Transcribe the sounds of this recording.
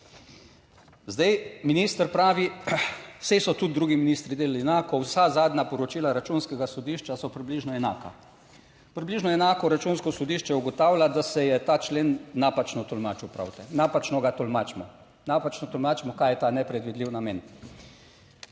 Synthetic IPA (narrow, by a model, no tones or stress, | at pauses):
zd̪ajminiːst̪əɾpɾaːʋi | sesɔt̪ud̪̚d̪ɾuɡiminist̪ɾid̪eːlaliɛnaːkɔwsazaːd̪nʲapɔɾɔt͡ʃiːlaɾat͡ʃunskɛɡasɔd̪iːʃt͡ʃasɔpɾibliʒnɔɛna̰ːka̰ | pɾibliːʒnɔɛnaːkɔɾat͡ʃunskɔsɔd̪iːʃt͡ʃɛuɡɔt̪aːwlʲad̪asɛjɛt̪aːt͡ʃleːnːapat͡ʃnɔt̪ɔlmaːt͡ʃupɾa̰wt̪ɛnapat͡ʃnɔɡat̪ɔlmaːt͡ʃmɔ̰ | napat͡ʃnɔt̪ɔlmaːt͡ʃmɔkaːjɛt̪aːnɛpɾɛd̪ʋid̪liwnameːn